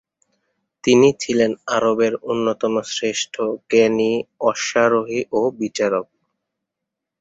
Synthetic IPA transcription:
t̪init͡ɕʰilenaɾobeɾunːot̪omosɾeʃʈʰokeniɔʃaɾoɦiʔobit͡ɕaɾok̚

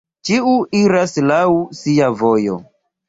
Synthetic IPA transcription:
t͡ʃiuiɾaslawsiavojo̰

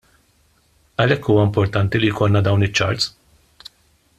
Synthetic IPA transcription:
ɐlɛkːuːwɐɪmpɔɾt̪ɐnt̪ilijkʰɔlnɐd̪ɐwnɪt͡ʃːɐ̰ɾt̪s

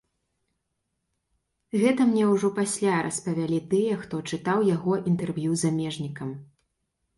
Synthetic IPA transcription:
ɣɛt̪ɐmnʲɛwʐɔpasʲlʲaɾʔɐ̰spɐvʲalʲit̪ɨjɐxt̪ɔt͡ʂɨt̪awjaɣɔʔint̪ɛrvjuzamʲɛʐnʲikɐm

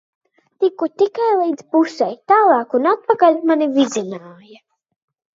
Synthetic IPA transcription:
t̪ikut̪ikajlˠijd̪zpusɛjt̪aːlˠɑːkunat̪̚pakalʲmanivizinaːja

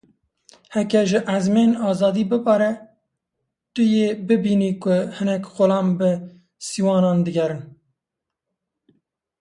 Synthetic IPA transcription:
hɛkɛʒɪʔæzmenɑːzɑːd̪iːbɨpɑɾɛ | t̪ʊjeːbɨbiːniːkʊhɨnɛkxʊlɑːmbɨ | siwɑːnɑːnd̪ɨɡʲɛɾɨn

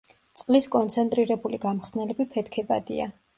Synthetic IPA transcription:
t̪sʼqʼliskʼɔnt̪sʰɛnt̪ʼɾiɾɛbuliɡamχsnɛlɛbipʰɛt̪kʰɛba̰d̪ḭa̰

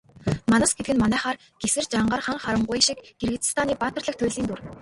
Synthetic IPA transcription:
manə̆sɡet̪ɡɘ̆nmanæːχaːr | ɡ̥esɘ̆rt͡ɕaɴɢəːrχaŋχaɾə̆ɴɢʊjʃikɡerɣɘt̪st̪ʰaːniːpaːt̪ə̆rɮə̆k̚t̪ʰʊjʲɮiːnt̪ur

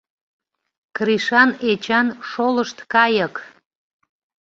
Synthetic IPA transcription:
kriʃɑnet͡ɕɑnʃoləʃt̪kɑjək

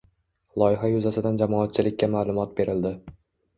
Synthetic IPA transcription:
lˠɒɪɦajʊzasɪd̪and͡ʒamɒat̪̚t͡ʃʰɪlɪkʲːamaːlˠʊmɒt̪̚be̞ɾɪld̪ɪ

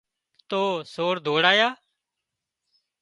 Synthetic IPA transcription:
t̪oːsoːɽd̪ʱoːɽaːjaː

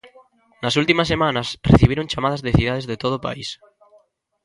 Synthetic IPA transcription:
nɐsult̪imɐsːemãnɐsreθiβeɾõŋt͡ʃamað̞azðeθið̞að̞ezðet̪oð̞opa̰is

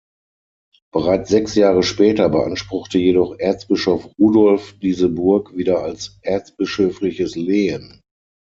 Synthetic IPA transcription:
b̥əʁaɪt͡sz̥ɛksjaːʁəʃpɛːtɐbəʔanʃpʁ̥ʊχtəjedɔχʔɛɐt͡sb̥ɪʃɔfʁuːdɔlfd̥iːzəbʊɐkv̥iːdɐalsʔɛɐt͡sb̥ɪʃøːflɪçəsleːən

